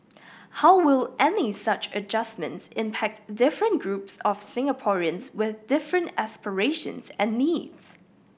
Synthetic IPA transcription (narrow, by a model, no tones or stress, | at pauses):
haʊwɪlˠʔɛnisʌt͡ʃəd͡ʒʌsmə̰̃ntsɪ̃mpʰæk̚tdɪfɹə̃nɡ̥ɹupsɔv̥sɪ̃ŋəpʰɔɹiə̃nzwɪðdɪfɹə̃ntæspəɹeɪʃə̰̃nzɛ̃nːidz̥